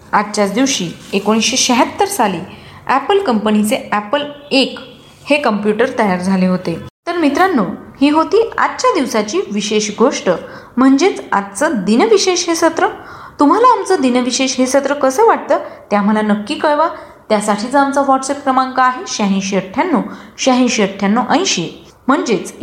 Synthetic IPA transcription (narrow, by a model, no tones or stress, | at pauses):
at̪t͡ɕat͡sd̪iʋɕiːekoɽ̃iɕeɕəɦət̪ːəɾsaliː | æpəlkəmpənit͡seæpəlek | hekəmpjuʈəɾt̪əjaɾd͡zʱaleɦot̪et̪əɾmit̪ɾanːuːhiːɦot̪iːa̰t̪ːt͡ɕad̪iʋsat͡ɕiːʋiɕeɕɡʱoʂʈə | m̤əɳd͡ʑet͡sa̰t̪t͡səd̪inəʋiɕeɕɦesət̪ɾə | t̪um̤alaːmt͡səːd̪inəʋiɕeɕɦesət̪ɾəkəsəʋaʈ̚t̪əːt̪jam̤əlanəkːiːkəɭʋa | t̪jasaʈʰiːt͡səamt͡səʋɔʈsepkɾəmãŋkaːɦeɕaɦĩɕəʈʰjanːuːɕaɦĩɕəʈʰjanːoʔə̃j̃ɕi | m̤əɳd͡ʑet͡s